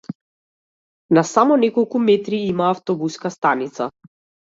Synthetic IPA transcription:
nasamɔnɛkɔlˠkumɛt̪ɾiimaːft̪ɔbuskast̪anit̪sa

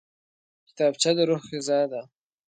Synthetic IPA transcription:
kʲɪ̥t̪ɑbt͡ʃad̪əɾoxxezɑːd̪a

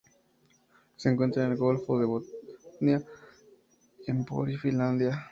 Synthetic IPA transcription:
seŋkwent̪ɾanelɡolfoðeβonja | empo̰ɾifinland̪ja

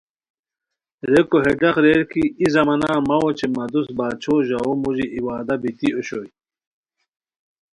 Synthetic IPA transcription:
ɾekoɦeɖɐxɾeɾkiizɐmɐnaːmɐwot͡ɕʰemɐd̪usbaːt͡ɕʰoːʑɐomuʑiʔiwaːd̪ɐbit̪ioɕoːj

